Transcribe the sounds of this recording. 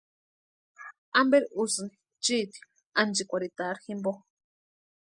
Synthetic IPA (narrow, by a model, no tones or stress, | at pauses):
ambeɾiusɨni | t͡ʃit̪i̥ | and͡ʒikʷaɾit̪aɾximbo